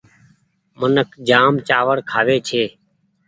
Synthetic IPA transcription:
mənəkʰd͡ʒaːmt͡ʃaːʋəɽkʰaːʋeːt͡ʃʰeː

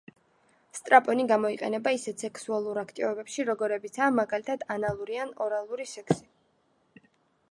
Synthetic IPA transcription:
st̪ʼɾapʼɔniɡamɔiqʼɛ̰nɛbaisɛt̪sɛkʰsualˠuɾakʰt̪ʼivɔbɛpʃiɾɔɡɔɾɛbit̪sʰaːmaɡalit̪ʰad̪̥analˠuɾianɔɾalˠuɾisɛkʰsi̥

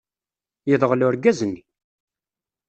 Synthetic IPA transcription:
jəðˤəʁlʊɾɡæzənːi

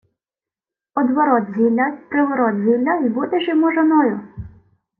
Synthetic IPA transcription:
ɔd̪ʋɔɾɔt̪zʲimlʲɐp̪ɾɪʋɔɾɔt̪zʲimlʲɐbut̪ɪʒɪmɔʒɐnɔjʊ

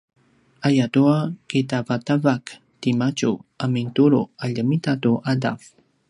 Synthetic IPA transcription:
ajatuakit̪apat̪avak | timat͡ʃuamint̪uɾuaʎəmitatuʔada̰f

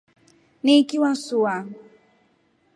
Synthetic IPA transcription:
niːkiwasua

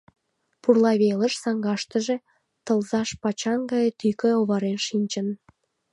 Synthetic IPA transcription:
purlɑβeləʃsɑŋɡɑʃt̪ə̆ʒe̽ | t̪əlzɑʃpɑt͡ɕɑnɡɑjt̪ykeoβɑɾenʃinʲt͡ɕən

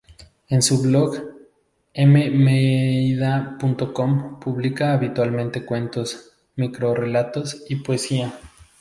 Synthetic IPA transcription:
e̞nsuβloɣ | ememeiðapunt̪o̞ko̞mpuβlikaːβit̪walmẽnt̪e̞kwe̞nt̪os | mikɾo̞re̞lat̪o̞sipoe̞sia

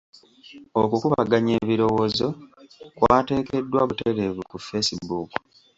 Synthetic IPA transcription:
okukuβaɡaɲe̞ːβiɾo̞wo̞ːzo̞kwaːte̞ːke̞dːwaβuteɾe̞βukufesibuːku̥

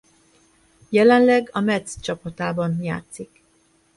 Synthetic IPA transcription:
jɛlɛnlɛɡɒmɛt̪st͡ʃɒpɒt̪aːbɒnja̰ːt̪sik

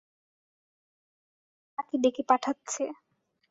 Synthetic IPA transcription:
akid̪ekepaʈʰatːɕʰe

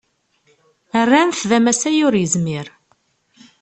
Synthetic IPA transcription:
ərːænθðæmæsæjʊɾjəzmiɾ

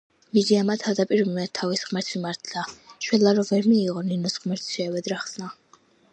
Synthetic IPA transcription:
mid͡ʒiamat̪ʰad̪apʼiɾunɛt̪ʰːavisχmɛɾt̪ʰmimaɾt̪ʰd̪aʃwɛlaɾɔvɛɾmiːʁɔninɔsχmɛɾt̪ʰʃɛwɛd̪ɾaχsna

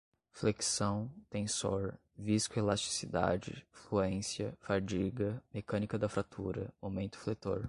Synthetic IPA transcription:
fleksɐ̃w̃t̪ẽsoɾ | viskʊelast͡ʃi̥sid̪a̰d͡ʒɪ̰fluẽsiɐfaɾd͡ʒiɡɐmekɐ̃nikɐd̪ɐfɾat̪ʰuɾɐ̰owmẽnt̪ʊ̥flet̪oɾ

